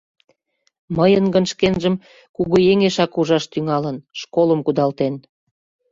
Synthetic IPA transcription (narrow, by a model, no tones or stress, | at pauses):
məjənɡənʃkenʒəm | kuɣujeŋeʃɑkuʒɑʃt̪yŋɑlənʃkoləmkud̪ɑlt̪en